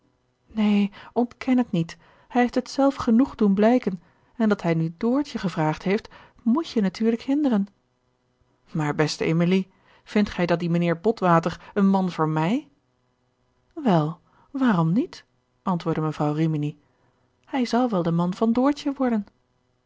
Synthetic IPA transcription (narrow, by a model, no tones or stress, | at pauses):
nejʔɔntkʰɛnətnit | hɛjɦeftətsɛlˠfχənuχdunblɛjkən | ɛndɑtɦɛjnydʊːɹtəχəvraːχtɦejft | mucjənatyːɹləkhɪndərən | maːɹbɛstəʔemili | v̥ɪntχɛjdɑt̚dimaniːɹbɔtʋaːtəɹənmɑnvʊːɹmɛj | ʋɛlˠ | ʋaːrɔmnit | ʔɑntʋʊːɹdəməvrɑwrimini | hɛjzɑlˠʋɛlˠdəmɑnvɑndʊːɹtəʋɔɹdən